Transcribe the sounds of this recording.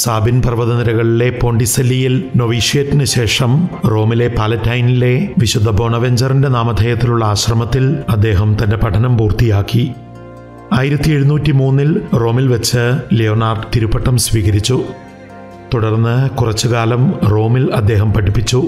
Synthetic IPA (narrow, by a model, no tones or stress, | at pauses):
saːbinprɐʋɐðɐniɾɐɣɐɭile̞po̞ːɳɖisɐlːijilno̞ʋiːʂijɐtːinɨɕe̞ːʂɐmro̞ːmile̞paːlɐtːɐjnile̞ʋiɕud̪ʱɐbʱo̞ːɳɐʋe̞ɲd͡ʑɐrinde̞naːmɐd̪ʱɐjɐt̪ːiluɭːɐaːɕrɐmɐt̪ːilɐd̪ːe̞ːɦɐmt̪ɐnde̞pɐʈʰɐnɐmpuːrt̪ijaːkːi | aːjiɾɐt̪ːie̞ɻunuːtːimuːnːilro̞ːmilʋɐt͡ɕːɨloːnaːrɖt̪iɾupːɐʈːɐmsʋiːkɐɾit͡ɕːu | t̪uɽɐrnːɨkurɐt͡ɕːukaːlɐmro̞ːmilɐd̪ːe̞ːɦɐmpɐʈːipːit͡ɕːu